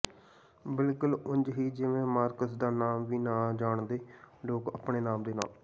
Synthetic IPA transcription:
bɪlkʊlʊɲd͡ʒɦiːd͡ʒɪʋẽːmaːɾkəsd̪aːnaːmʋiːnãːd͡ʒaːɳd̪eːɖoːkəpɳeːnaːmd̪eːna̰ːl

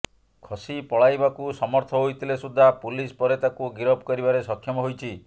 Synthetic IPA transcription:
kʰɔsipɔɭajbakusɔmɔɾt̪ʰɔɦojt̪ʰilesud̪ʱːapulispɔɾet̪akuɡiɾɔbkɔɾibaɾesɔkʰːjɔmɔɦojt͡ʃʰi

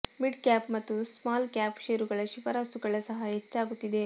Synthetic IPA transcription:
miɖkaːpmɐt̪ːusmaːlkaːpʃeːɾuɡɐɭɐʃifɐɾaːsuɡɐɭɐsɐɦɐɦet͡ʃːaːɡut̪ːid̪e̞

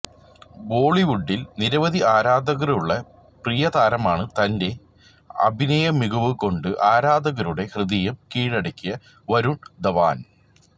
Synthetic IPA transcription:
bo̞ːɭiʋuɖːilniɾɐʋɐðiaːɾaːd̪ɐɣɐɾuɭːɐ | prijɐd̪aːɾɐmaːɳɨt̪ɐnde̞ | ɐ̰bʱinɐjɐmːiɡɐʋɨko̞ɳɖɨʔaːɾaːd̪ɐɣɐɾuɽe̞hrɨðijɐmkiːɻɐɽɐkʲːijɐ | ʋɐɾuɳd̪ɐʋa̰ːn

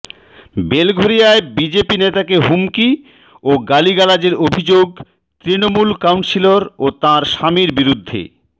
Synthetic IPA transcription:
belɡʱoɾijaebid͡ʑepinet̪akeɦumki | oɡaliɡalad͡ʑeɾobʱid͡ʑoɡ | t̪ɾinomulkawɳʈsiloɾot̪ãɾʃamiɾbiɾud̪ʱːḛ

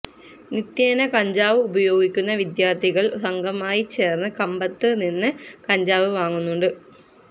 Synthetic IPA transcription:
nit̪jeːnɐkɐɲd͡ʑaːʋɨubɐjo̞ːɡikʲːunːɐʋid̪jaːrt̪ʰiɣɐɭɦɐŋɡɐmaːjit͡ɕːe̞ːrnɐkɐmbɐt̪ːɨninːɨkɐɲd͡ʑaːʋɨʋaːŋːunːuɳɖɨ

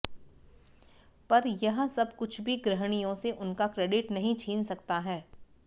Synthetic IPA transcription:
pɐɾjɐɦə̃sɐbkʊt͡ʃʰbʱiɡɾɐɦɽ̃ijõseʔʊnkakɾeːɖɪʈnɐɦĩt͡ʃʰiːnsɐk̚t̪aɦɛː

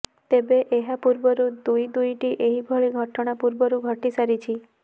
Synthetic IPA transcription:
t̪ebeʔeɦapuɾbəɾud̪ujd̪ujʈiʔeɦibʱɔɭiɡʱɔʈɔɽ̃apuɾbəɾuɡʱəʈisaɾit͡ʃʰi

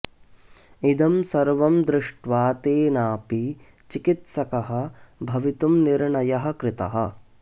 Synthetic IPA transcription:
id̪ɐmsɐɾʋɐmd̪ɾɪʂʈʋaːt̪eːnaːpi | t͡ʃikit̪sɐkɐɦɐ̆bʱɐʋit̪umniɾɳɐjɐɦɐ̆kɾɪt̪ɐ̰ɦɐ̰̆

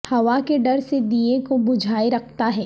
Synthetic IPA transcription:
hɐʋakeɖɐɾsed̪iekobʊd͡ʒʱaːiɾɐkʰt̪aɦɛː

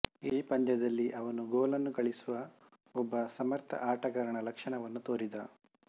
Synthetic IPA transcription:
iːpɐnd̪ɐd̪ɐlːiʔɐʋɐnuɡoːlɐnːuɡɐɭisuʋɐ | ɔbːɐsɐmɐɾt̪ʰɐ̰ʔaːʈɐkɐɾɐɳɐlɐkʂɐɳɐʋɐnːut̪oːɾid̪ɐ

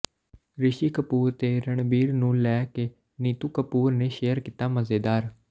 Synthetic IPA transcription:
ɾɪʃiːkəpuːɾt̪eːɾəɳbiːɾnũːlɛːkeː | niːt̪uːkəpuːɾneːʃeːjəɾkiːt̪aːməzeːd̪aːɾ

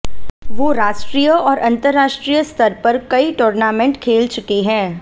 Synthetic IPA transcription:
ʋoːɾaːʃʈɾiːjəɔːɾʔɐ̃nt̪əɾːaːʃʈɾijəst̪ʰɐɾpɐɾkɐiʈoːɾnaːmẽɳʈkʰeːlt͡ʃʊkeɦɛ̃ː

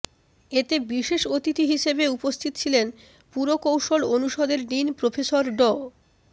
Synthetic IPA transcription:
et̪ebiʃeʃot̪it̪iɦiʃebeupost̪ʰit̪ot͡ɕʰilen | puɾokowʃolonuʃod̪eɾɖinpɾofʰesoɾɖɔ

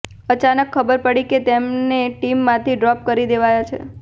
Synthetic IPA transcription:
ət͡ʃanəkʰːəbəɾpəɽiket̪emneʈimːãt̪ʰiɖɾɔp̚kəɾid̪eʋajat͡ʃʰḛ

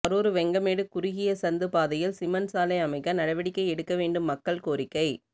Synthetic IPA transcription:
ɐɾoːɾɯʋɛŋɡɐmeːɽɯkʊɾɪɣɪjɐsɐnd̪ɯpaːðɐjɪlsɪmɐnsaːlɐɪɐmɐɪkːɐnɐɽɐʋɐɽɪkːɐɪɛɽɯkːɐʋeːɳɖɯmːɐkːɐɭkoːɾɪkːɐɪ

